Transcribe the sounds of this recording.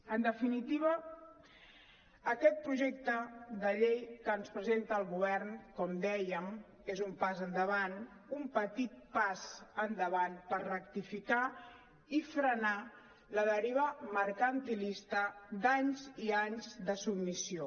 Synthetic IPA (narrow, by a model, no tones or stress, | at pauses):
ənd̪əfinit̪iβə | əkɛt̪̚pɾuʒek̚t̪əd̪əʎejkəːnspɾəzent̪əːlˠɣuβ̞ɛrnkɔmd̪ɛjəm | ezumpazənd̪əβan | umpət̪it̪̚pazənd̪əβanpərrəkt̪ifika | ifɾəna | ləðəɾiβ̞əməɾkənt̪ilist̪əd̪aɲziaɲzd̪əsubmisio